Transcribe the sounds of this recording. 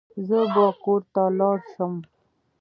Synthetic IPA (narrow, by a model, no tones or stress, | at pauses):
zəbəkoɾt̪alɑɾʃəm